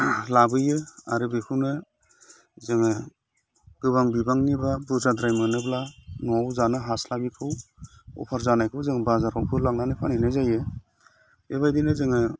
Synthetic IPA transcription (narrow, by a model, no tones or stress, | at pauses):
labɯjɯaɾɯbekʰɯwnɯ | zɯŋɯ | ɡ̥ɯbaŋbibaŋnibabuzadɾajmɯnɯblanɔawzanɯɦaslabikʰɯwɔ̰pʰaɾzanajkʰɯwzɯŋbazaɾawpʰɯlaŋnanɯpʰaninɯzajɯ | eβajdinɯzɯŋɯ